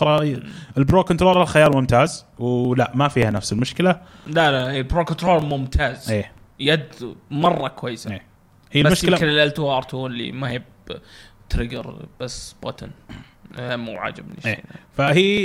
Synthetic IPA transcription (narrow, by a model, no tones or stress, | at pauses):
ɾˤɑɪlbɾoːkɔnt̪ɾoːɾˤalxajɑːɾˤmʊmt̪aːzwlaʔmafiːhanafsɪlmʊʃkɪla | lalaelbɾoːknt̪ɾoːɾmʊmt̪ʰaːzʔeː | jad̪mɑrˤːɑkwajːsaeː | hiːlbamʊʃɪlanɪlʔalt̪uɑɾˤt̪ʰuːnlḭmahɪb | t̪ɾɪɡə̰ɾb̥asːb̥at̪a̰n | mːṵːʕa̰ːd͡ʒɪbmɪneːḭa̰fahiː